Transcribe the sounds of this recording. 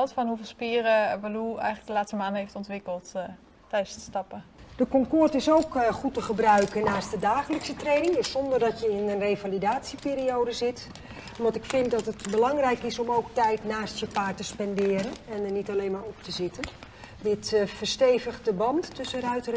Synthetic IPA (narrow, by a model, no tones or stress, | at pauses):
ɛlˠtfɔnɦufɪlˠspiːrəʋaluɛ̰jχələɡ̚dəlaːtstəmaːndəɦeftɔntʋɪkəlˠt | tɛjəstəstɑpəd̥əkɔŋkʊrtɪsowkχutəχəbrœɥkənaːstdədaːχələksətrejnɪŋdəssɔndərdɑtjəɪnənrevalidaːtsipɪːɾiowdəzɪt | ʋɑntɪkfɪntdɑtətbəlɑŋrɛjkɪsɔmowk̚tɛjtnaːstjəpaːtəspɛndɪːɾənɛnənitɑlejnmaːɹɔp̚təzɪtən | dɪtfərstejvəχt̚dəbɑntːɵsərœɥtər